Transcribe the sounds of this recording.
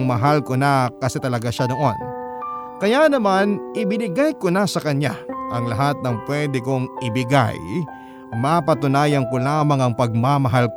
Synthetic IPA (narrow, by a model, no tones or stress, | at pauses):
ŋmɐɦalkonakɐsɛt̪ɐlɐɡaʃanoʔon | kɐjanɐmanʔɪbɪnɪɡajkonasɐkɐɲaʔɐŋlɐɦat̪̚nɐŋpwɛd̪ɪkoŋʔɪbɪɡa̰j | mapɐt̪ʊnaːjɐŋkolaːmɐŋɐŋpɐɡ̚mamɐɦalk